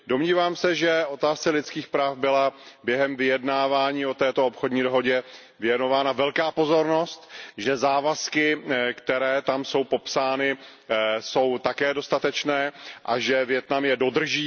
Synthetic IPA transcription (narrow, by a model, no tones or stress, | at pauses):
do̞mɲiːvaːmsɛʒɛo̞t̪aːst͡sɛlɪt͡sskiːxpɾaːfbɪlabjɛɦɛmvɪjɛdnaːvaːɲiːo̞t̪ɛːt̪oopxodɲiːdo̞ɦo̞ɟɛ | vɪjɛno̞vaːnavɛlkaːpo̞zo̞ɾno̞st̪ʒɛzaːvaskɪkt̪ɛɾɛːt̪amso̞wpo̞psaːnɪ | so̞wt̪akɛːdo̞st̪at̪ɛt͡ʃnɛːʔaʒɛvjɛt̪namjɛdo̞d̪r̩ʒiː